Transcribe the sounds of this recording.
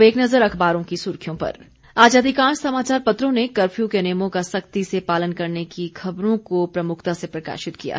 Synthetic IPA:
ʋeːknɐzəɾɐkʰbaːɾõkisʊːɾkʰijõpɐ̰ɾ | aːd͡ʒaːd̪ʱikãːʃsɐmaːt͡ʃaːɾpɐt̪ɾõnekɐɾfʰjukeneːjmõkasɐkt̪isepaːlənkɐɾnekixʰɐbɾõkopɾɐmʊkʰt̪asepɾɐka̰ːʃɪt̪̚kija̰

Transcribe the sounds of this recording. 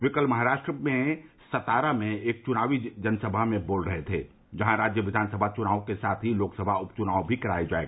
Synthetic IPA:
ʋɪkəlmɐɦaɾaːʃʈɾəmẽ | sɐt̪aːɾamẽeːk̚t͡ʃʊnaːʋid͡ʒɐnsəbʱamẽboːlɾəɦet̪ʰḛː | d͡ʒɐɦãɾaːd͡ʒjəʋɪd̪ʱaːnsəbʱat͡ʃʊnaːokesaːt̪ʰɦiloːksəbʱaʊpt͡ʃʊnaːʋbʱikɐɾaːed͡ʒa̰ːḛːɡa

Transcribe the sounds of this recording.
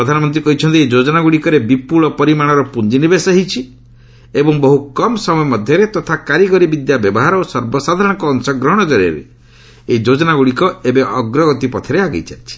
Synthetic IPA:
ɾɔd̪ʱanɔmɔnt̪̬ɾikɔɦit͡ʃʰɔnt̪ieid͡ʒod͡ʒɔnaɡuɽikɔɾebipuɭɔpɔɾimaɽ̃ɔɾɔpund͡ʒinibesɔɦit͡ʃʰi | ebɔŋbɔɦukɔmɔsɔmɔjɔmɔd̪ʱjɔɾet̪ɔt̪ʰakaɾiɡɔɾibid̪jabjɔbɔɦaɾɔosɔɾbɔsad̪ʱaɾɔɽ̃ɔŋkɔːŋsɔɡɾɔɦɔɽ̃ɔd͡ʒɔɾjɔ̰ɾḛ | eid͡ʒod͡ʒɔnaɡuɽikɔebeʔɔɡɾɔɡɔt̪ipɔt̪ʰeɾeaɡɔjt͡ʃajt͡ʃʰi̥

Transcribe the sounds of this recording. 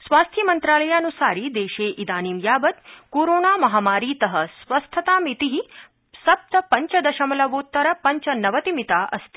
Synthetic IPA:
sʋaːst̪ʰjɐmɐnt̪ɾaːlɐjaːɐnusa̰ːɾid̪eːʃeːʔid̪aːniːmjaːbɐt̪̚koːɾoːnaːmɐɦaːmaːɾiːt̪ɐɦɐsʋɐst̪ʰɐt̪aːmit̪iɦi | sɐp̚t̪ɐpɐɲt͡ʃɐd̪ɐʃɐmɐlɐʋoːt̪ːɐɾɐpɐɲt͡ʃɐnɐʋɐt̪imit̪aːʔɐ̰st̪ʰi̥

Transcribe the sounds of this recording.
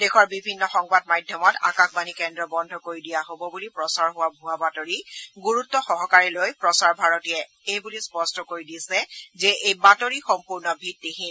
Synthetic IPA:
dexʰɔɹbibʱinːɔxɔŋbad̚madʱjɔmɔta̰kakbanikɛndɹɔbɔndʱɔkoɹidijaɦobɔbulipɹɔsaɹɦʊwabʱʊwabatoɹiɡuɹutːɔxɔɦɔkaɹilojpɹɔsaɹbʱaɹɔtijɛ | ejbulispɔstʰɔkoɹidisɛzɛʔejbatoɹixɔmpuɹnɔbʱitːixin

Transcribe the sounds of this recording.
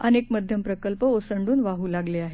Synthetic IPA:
ənekməd̪ʱjəmpɾəkəlpəosəɳɖuːnʋaɦuːlaɡleaɦe

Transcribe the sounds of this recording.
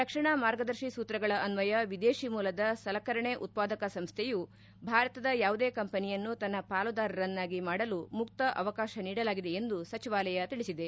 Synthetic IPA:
ɾɐkʂɐɳamaːɾɡɐd̪ɐɾʃisuːt̪ɾɐɡɐɭɐʔɐnʋɐjɐʋid̪eːʃimuːlɐd̪ɐsɐlɐkɐɾɐɳeʔut̪̚paːd̪ɐkɐsɐmst̪ʰeju | bʱaːɾɐt̪ɐd̪ɐjaːʋud̪eːkɐmpɐnijɐnːut̪ɐnːɐpaːlud̪aːɾɐɾɐnːaːɡimaːɽɐlumuk̚t̪ɐʔɐʋɐkaːʃɐniːɽɐlaːɡid̪e̞end̪usɐt͡ʃiʋaːlɐjɐt̪iɭisid̪e

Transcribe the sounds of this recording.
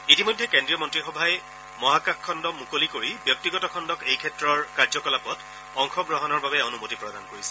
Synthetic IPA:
itimojdʱːɛkendɹijɔmɔntɹixɔbʱaj | mɔɦakakʰːɔndɔmukolikoɹibjɔk̚tiɡɔtɔkʰɔndɔkejkʰɛtɹɔɹkaɹzɔkɔlapɔt | ɔŋxɔɡɹɔɦɔnɔɹbabɛonumotipɹɔdankoɹisɛ̥

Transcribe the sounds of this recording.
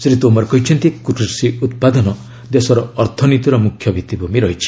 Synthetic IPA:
sɾit̪omɔɾɔkɔɦit͡ʃʰɔnt̪ikuʈuɾsiut̪̚pad̪ɔnɔ | d̪esɔɾɔːɾt̪ʰɔnit̪iɾɔmukʰjɔbʱit̪ibumiɾɔɦit͡ʃʰi̥

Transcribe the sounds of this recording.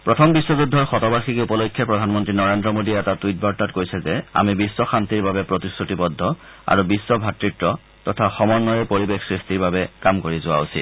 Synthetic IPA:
pɹɔtʰɔmbiswɔzudʱːɔɹxɔtɔbaɹxikupɔlojkʰjɔpɹɔdʱanmɔntɹinɔɹendɹɔmodiɛtatujt̚baɹtatkojsʰɛzɛa̰mibisːɔxant̪iɹbabɛpɹotisɹutipɔdʱːɔ | a̰ɹubisːɔbʱatɹitɹɔ | tɔtʰaxɔmɔnːɔjɛpoɹibexsɹistiɹbabɛkamkoɹizʊa̰usḭt

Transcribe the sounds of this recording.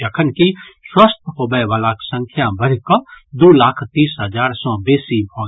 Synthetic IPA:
əkʰənkiswaːst̪ɦoːbəʋaːlaːksə̃ŋkʰjabəɾkəd̪oːlaːkʰt̪iːsɦəd͡ʒaːɾsɔ̃beːsibʱoː

